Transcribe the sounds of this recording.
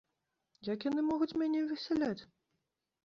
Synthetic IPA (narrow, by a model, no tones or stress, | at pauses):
jakjanɨmɔɣut͡sʲmʲanʲɛvʲɨsʲɛlʲat͡sʲ